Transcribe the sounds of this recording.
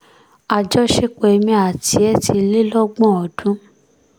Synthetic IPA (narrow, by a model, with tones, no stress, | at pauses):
a˧d͡ʒɔ˦ʃe˦k͡pe˨˧mĩ˧a˨tʰi˧ɛ˦tʰi˧le˦lɔ˦ɡ͡bɔ̃˦˨ɔ˨dũ˨˦